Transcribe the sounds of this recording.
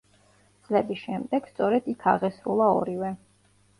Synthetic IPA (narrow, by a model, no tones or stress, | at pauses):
d̪zlɛbisʃɛmd̪ɛɡ̥st̪sʼɔɾɛd̪̥ikʰaʁɛsɾulˠaɔ̰ɾivɛ